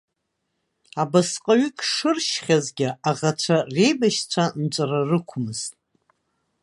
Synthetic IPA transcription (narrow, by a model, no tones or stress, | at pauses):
abasqʼaɥʏkʲʰʼʂɨrʃχʲazɡʲɪaʁat͡ɕʷʰarejbaʃt͡sʷʰant͡ʃʷʼararɨkʷʰʊmɨz̥tʼ